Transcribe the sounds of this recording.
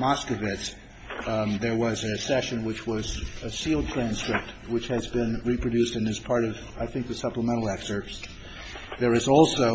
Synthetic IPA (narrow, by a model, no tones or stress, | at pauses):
mɑskɨvɪts | ðə˞wʌzɨsɛʃɨ̃nwɨt͡ʃwʌzɨsilˠd̚tʰɹ̥æ̃nskɹɪp̚t̚wɨt͡ʃhɨzbɪ̃nɹipʰɹ̥ɨdʉstɨ̃nɨz̥pʰɑɹɾʌv | aɪθɪ̃ŋk̚ðɨsʌpləmɛ̃ɾ̃l̩ˠɛksə˞ps | ðə˞ɨzɔlˠsoʊ